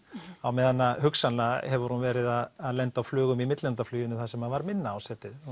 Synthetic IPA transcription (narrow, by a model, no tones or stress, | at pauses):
awmɛðanːahʏksanahɛvʏɾ̥hunvɛːɾɪðaðaðlɛnt̪awflœːɣʏmimɪt̪lɛnt̪aflyːjʏnʏθasɛmaðvaɾmɪnːaasɛːt̪ɪð